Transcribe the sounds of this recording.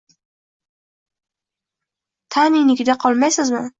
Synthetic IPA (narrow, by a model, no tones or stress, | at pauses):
t̪ʰanɪnɪkʲɪd̪aqʰɒlˠmajsɪzmɪ